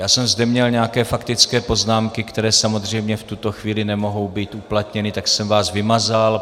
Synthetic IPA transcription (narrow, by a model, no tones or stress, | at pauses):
jaːsɛmzdɛmɲɛlɲɛakɛːfakt̪ɪt͡skɛːpo̞znaːmkɪkt̪ɛɾɛːsamozr̝ɛjmɲɛft̪ut̪o̞xviːlɪnɛmo̞ɦo̞wbiːt̪uplat̪ɲɛnɪt̪aksɛmvaːsvɪmazal